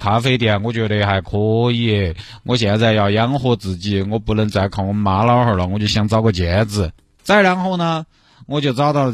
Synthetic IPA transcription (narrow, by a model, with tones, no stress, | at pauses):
k̪ʰa˧˥fe˥ɪt̪̬jɛ˨˩nwɔ˧˥˩t͡ɕɥɛ˧˥d̪ə˧xa˨˩ɪkʰo˧˥jɛ˥˩ | wʔɔ˧˥ɕ̬jɛ˥˩nt͡sa˥˧ɪjɑ˥˩ʊjɑ˥ŋxwɔ˥t͡sɹ̩˨˩t͡ɕi˥˩wɔ˧˥pu˧˥lə˧˥˩nt͡sa˧˥ɪkʰɑ˨˩wŋma˧˥lɑ˧˥ʊxə˞˨˩lə˧˦wɔ˧˥t͡ɕjo˥˩ɕjɛ˥ŋt͡sɑ˥ʊkwɔ˥˩t͡ɕjɛ˧˥d͡zɹ̩˧˩ | t͡sa˥˩ɪɻa˧˥nxo˥˩ʊnə˩ | wɔ˨˧˥t͡ɕjo˥˧ʊt͡sɑ˥ʊt̪ɑ˥˩ʊlə˩